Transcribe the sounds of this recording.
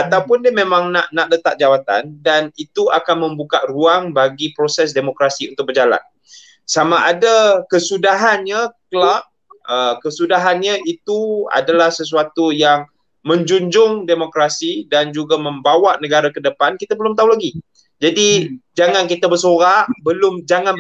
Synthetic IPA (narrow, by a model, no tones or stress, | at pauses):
at̪awpʊndimẽmãŋnaʔnaʔlət̪aʔ̚d͡ʒawat̪a̰ndanit̪uakanmə̃mbukaʔruaŋbaɡipɾosɛs̬demokɾasiunt̪ʊk̚bərd͡ʒala̰n | samaʔadakəsudaɦanɲaklaʔ̚ | əkəsudaɦanɲaʔit̪ua̰dalahsəs̬uat̪ujaŋ | mə̃ɲd͡ʒuɲd͡ʒʊŋdemokɾasidand͡ʒuɡamə̃mbawaʔnə̃ɡaɾakədəpankit̪abəlʊmt̪̬aulaɡi | d͡ʒadid͡ʒaŋankit̪abəsoɾaʔbəlʊmd͡ʒaŋãn